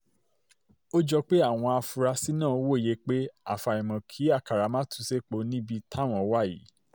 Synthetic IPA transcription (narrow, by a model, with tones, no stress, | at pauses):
o˦d͡ʒɔ˧k͡pe˦a˦˨w̃ɔ̃˧a˧fu˧ɾa˧si˦nã˦˨o˦wo˦˨je˨˦k͡pe˦a̰˨fa˨i˨mɔ̃˨kʰi˨˦a˦˨ka˨ɾa˨˦mã˦tũ˧˦se˦k͡po˧˦nĩ˦bi˧tʰa˦˨w̃ɔ̃˨˦wa˦˨jḭ˨˦